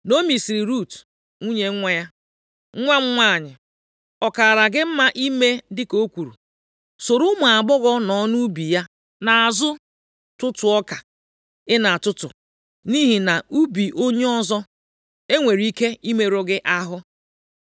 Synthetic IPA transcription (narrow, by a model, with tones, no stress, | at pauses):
no˦mi˨si˨ɾi˨ɾu˦˨t | ŋʷu˦ɲe˨˦ŋʷa˦ja˦ | ŋ̩˦ŋʷa˦ŋ͡m̩˦ŋʷa˦˨ɲɪ˨ | ɔ˨ka˨ɾa˨ɡɪ˦m̩˦ma˦ʔi˦me˦dɪ˦ko˦kʷu˨ɾṵ˨ | so˨ɾʊ˦ma˨a˨bɔ˦ɣɔ˦nɔ˨˦nu˦bi˨ja˦ | na˨a˨zʊ˦ | tʊ˦tʊ˨ɔ˦ka˨ | ɪ˦na˨a˨tʊ˦tʊ̰˨ | ni˦ɦi˨na˨u˦bi˨ʔo˦ɲe˦ɔ˦zɔ˦ | e˦ŋʷe˨ɾi˦ke˦i˦me˦ɾo˦ɡɪ˦ʔa˦ɦʊ˦